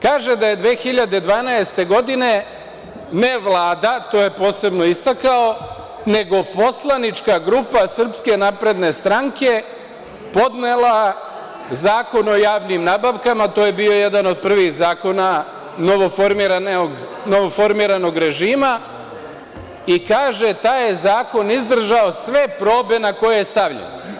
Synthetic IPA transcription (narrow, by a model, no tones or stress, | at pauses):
kaːʒe̞d̪aje̞d̪ʋeːxiʎad̪e̞d̪ʋaːnaest̪e̞ɡo̞d̪ine̞ | ne̞ʋlˠaːd̪at̪o̞ːje̞po̞ːse̞bno̞ist̪akao̞ | ne̞ɡo̞po̞slˠanit͡ʃkaɡɾupasr̩pske̞napɾe̞d̪ne̞st̪ɾaŋke̞ | po̞d̪ne̞lˠa | zaːko̞no̞jaːʋnimnaːbaʋkamat̪o̞ːje̞bio̞je̞d̪ano̞d̪̚pr̩ʋiɣzaːko̞na | noʋofoɾmiɾanɡ | noʋo̞fo̞ɾmiɾano̞ɡɾe̞ʒiːma | ikaːʒe̞t̪aːjezaːko̞nizd̪r̩ʒao̞sʋe̞pɾo̞ːbe̞nako̞jejest̪aʋʎḛn